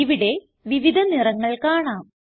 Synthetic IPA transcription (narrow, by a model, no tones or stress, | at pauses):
iʋiɽe̞ | ʋiʋid̪ʱɐnirɐŋːɐɭkaːɳaːm